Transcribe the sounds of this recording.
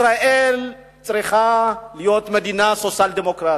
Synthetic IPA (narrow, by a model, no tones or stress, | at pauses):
ɾaʔɛl | t͡sʼɾiχalijot̪med̪inasot͡sald̪emokɾa